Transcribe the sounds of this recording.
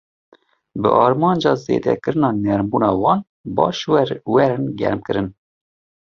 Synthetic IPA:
bɨ̰ʔɑːɾmɑːnd͡ʒɑːzḛːd̪ɛ̰kɨɾɨnɑːnɛɾmbuːnɑːwɑːn | bɑ̰ːʃwwɛɾɨnɡɛ̰ɾmkɨɾɨn

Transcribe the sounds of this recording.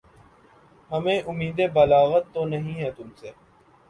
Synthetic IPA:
ɦɐmẽʔʊmiːd̪ebɐlaːɣət̪ːonɐɦĩɦɛːt̪ʊmseː

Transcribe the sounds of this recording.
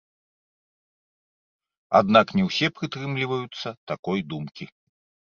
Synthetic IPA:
a̰d̪naknʲɛwsʲɛpɾɨt̪ɾɨmlʲivɐjut̪sːɐt̪akɔjd̪umkʲi

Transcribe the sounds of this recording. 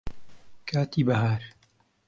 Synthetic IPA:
kʰaːt̪iːbɐɦaːɾ

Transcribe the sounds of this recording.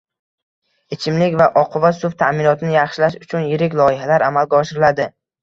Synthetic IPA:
ɪt͡ʃʰɪmlɪkʲvaʔɒqʰʊvasʊft̪ʰamɪnɒt̪ʰɪnɪjɑχʃɪlaʃʊt͡ʃʰʊnjɪɾɪkʲlˠɒɪhalaɾamalɡʲaɒʃɪɾɪlad̪ɪ

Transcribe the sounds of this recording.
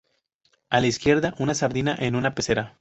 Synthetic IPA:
alaiskje̞ɾðaʔunasaɾðinaʔe̞nunape̞se̞ɾa

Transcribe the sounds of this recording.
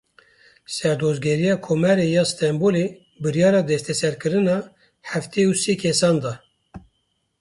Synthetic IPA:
sɛɾd̪ozɡʲɛɾijɑːkʰomɛɾejɑːst̪ɛmboːle | bɨɾijɑːɾɑːd̪ɛst̪ʰɛsɛɾkɨɾɨnɑː | ħæft̪eːuseːkʰɛsɑːnd̪ɑ

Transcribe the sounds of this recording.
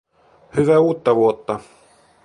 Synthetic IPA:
hyʋæuːt̪ːɑʋuot̪ːɑ

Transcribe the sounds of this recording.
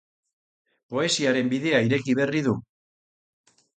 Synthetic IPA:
po̞e̞siaɾe̞mbiðe̞aiɾe̞kiβ̞e̞rið̞u

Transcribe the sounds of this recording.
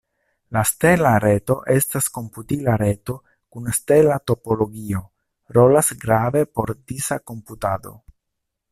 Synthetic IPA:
laste̞laɾeto̞ʔe̞stasko̞mputilaɾe̞to̞ | kunste̞lato̞po̞lo̞ɡio̞ | ɾo̞lasɡɾave̞po̞ɾdisako̞mputado̞̰

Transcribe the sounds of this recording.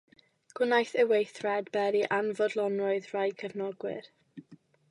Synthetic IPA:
ɡ̥ʊnajθəwejθrɛdbɛɾiʔanvɔdlˠɔnrɔɨðrajkʰəvnɔɡwɪ̰ɾ

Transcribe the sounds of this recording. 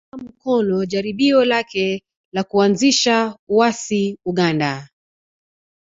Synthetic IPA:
am̩kɔnɔʄaɾiɓiɔlakɛ | lakuanziʃauwasiuɠanda

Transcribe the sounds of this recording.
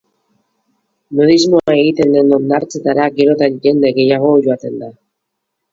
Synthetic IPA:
nuðizmo̞ae̞ɣit̪e̞nd̪e̞no̞nd̪aɾt͡se̞t̪aɾaɡe̞ɾo̞t̪anɟe̞nd̪e̞ɣe̞jaɣ̞o̞ʝo̞at̪e̞nd̪a

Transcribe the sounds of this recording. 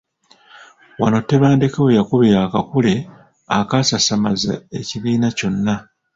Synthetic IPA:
wano̞tːe̞βaːnde̞kewejakuβeɾakakule̞ | akasasamaza̰e̞ciβiːnaco̞nːa

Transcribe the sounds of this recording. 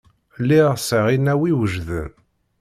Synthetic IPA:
lːiʁsəʁinæwiwəʒðə̰n

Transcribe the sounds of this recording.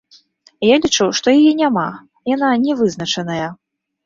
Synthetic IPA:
jalʲit͡ʂɨwʂt̪ɔjajɛnʲama | jananʲɛvɨzn̪ɐt͡ʂɐn̪ɐjɐ

